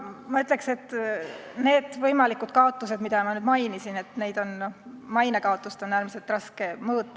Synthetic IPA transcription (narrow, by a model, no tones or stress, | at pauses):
mɑyt̪ːˑle̞kse̞t̪ːˑ | ne̞ːd̪̥vɤjmɑlikːˑud̪̥kɑot̪ˑːuse̞d̪mid̪ɑmɑnyːd̪̥mɑjnisine̞t̪ːˑne̞jd̪̥o̞nmɑjnekɑot̪ˑːust̪o̞nːæːrmise̞lt̪ˑrɑske̞mɤːt̪ˑː